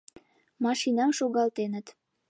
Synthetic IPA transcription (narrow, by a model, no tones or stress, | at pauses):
mɑʃinɑmʃoɣɑlt̪enə̆t̪